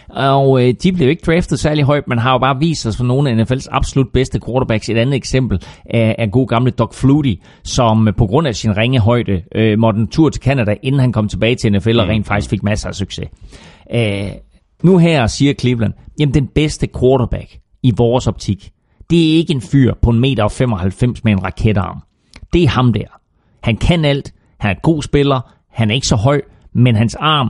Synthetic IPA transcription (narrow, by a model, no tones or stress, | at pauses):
ɒʊd̥ib̥le̝joe̝ɡ̥əd̥ʁɛːfd̥ð̩ˠsæɐliɦɒ̽ɪ̰d̥̚menɦɑ̈jo̝b̥ɑ̈ːʋḭːsd̥ɒsfɒno̝ːn̩æenefelsɑ̈b̥so̝lud̥̚b̥esd̥əkʰwɒːɾɐb̥æɡ̥se̝d̥ænð̩ˠeɡ̥sem̰b̥l̩ʔææɡ̥o̝̰ːɡ̥ɑ̈mləd̥ɒɡ̥fluːɾi | sɒ̽mpʰɒ̽ɡ̥ʁɔ̽n̰æsinʁeŋəɦɒ̽ɪ̰d̥əømɒd̥n̩t͡sʰuɐ̰t͡sʰe̝lkʰænæd̥æʔe̝nn̩hænkʰɒ̽m̰t͡sʰe̝b̥ɛːɪt͡sʰe̝enefelɒʁɛ̰ːn̥fɑ̈ɡ̥isɡ̥fe̝ɡ̥̚mæssyɡ̥se̝ | nuɦæɐ̰siːɐkʰliʋlænjemn̩d̥enb̥esd̥əkʰwɔːɾɐb̥æɡ̥ | iʋɒːsɒ̽b̥̚t͡sʰiɡ̥ | d̥e̝æɐe̝ɡ̥əe̝nfyɐ̰pʰɒ̽e̝nme̝̰ːɾ̥ɐɒ̽fem̰ɒ̽hælfem̰smeenʁɑ̈kʰed̥ɑ̈ːm | d̥e̝ɐhɑ̈md̥æɐ̰ | hænkʰænæl̰d̥ | hænɐɡ̥o̝̰ːsb̥e̝lɐ | hænæɐe̝ɡəsɒ̽ɦɒ̽ɪ̰ | menɦænsɑ̈ːm